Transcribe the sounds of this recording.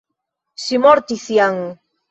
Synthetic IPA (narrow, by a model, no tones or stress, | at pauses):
simoɾt̪isjaŋ